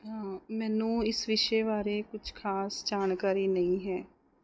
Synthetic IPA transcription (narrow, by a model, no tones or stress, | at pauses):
ɦãːmɛːnũːɪsʋɪʃeːʋaːɾeːkʊd͡ʒʰkʰaːsd͡ʒaːnkaːɾiːnəĩːɦɛː